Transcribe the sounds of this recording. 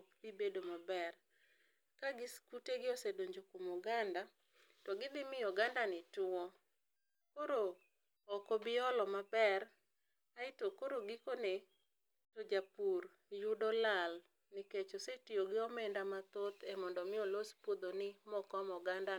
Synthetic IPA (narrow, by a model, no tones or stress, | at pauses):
pibedomabɛr | kaɡɪskuteɡɪɔsedoɲd͡ʒokumɔɡanda | tɔɡɪd̪ɪmɪɔɡandanɪtʊɔ | koɾoː | kobɪɔlɔmabɛr | aɪtokoɾoɡɪkone | tod͡ʒapur | jʊdɔlal | nɪket͡ʃosetioɡɪɔmɛndamat̪ot̪ɛmɔndɔmɪolospod̪onɪmɔkɔmɔɡanda